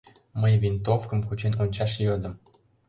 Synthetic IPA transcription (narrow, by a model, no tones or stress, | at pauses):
məjvint̪ofkə̆mkut͡ɕenonʲt͡ɕɑʃjød̪ə̆m